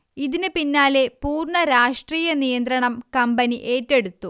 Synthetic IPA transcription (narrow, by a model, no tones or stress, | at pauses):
iðinɨpinːaːle̞puːrɳɐɾaːʂʈriːjɐnijɐnd̪ɾɐɳɐmkɐmbɐniʔe̞ːtːe̞ɽut̪ːu